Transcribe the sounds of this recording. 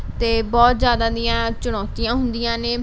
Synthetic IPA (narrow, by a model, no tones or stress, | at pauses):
t̪eːbɔːt̪zjaːd̪aːd̪ɪjãːt͡ʃʊɽ̃ɔːt̪ijãːɦʊnd̪ɪjãːneː